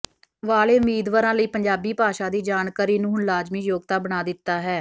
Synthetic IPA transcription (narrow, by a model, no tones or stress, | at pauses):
ʋaːleːʊmiːd̪ʋaːɾãːləiːpəɲd͡ʒaːbiːpaːʃaːd̪iːd͡ʒaːɳkaːɾiːnũːɦʊnlaːd͡ʒmiːjoːɡt̪aːbəɽ̃aːd̪ɪt̪ːaːɦɛː